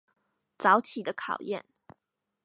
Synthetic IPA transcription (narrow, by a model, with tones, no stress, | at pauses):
t͡sɑ˧˥ʊt̪ʰi˨˩d̪ə˦kʰɑ˨˩ʊjɛ̰˥˨n